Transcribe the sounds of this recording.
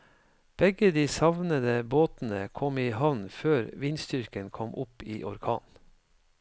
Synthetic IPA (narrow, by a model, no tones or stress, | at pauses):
b̥ɛɡəd̪iːsɑʋnəd̪əboːt̪n̩əkʰɔmiːhɑʋnføːɾʋɪnst̪ʏɾkənkʰɔmʔʊpiːʔɔɾkʰɑ̰ːn